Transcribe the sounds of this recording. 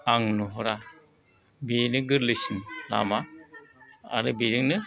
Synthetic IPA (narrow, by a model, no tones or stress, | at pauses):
aŋnuɦɔɾa | binɯɡɯɾlisinla̰ma | a̰ɾɯbiɾɯŋnɯ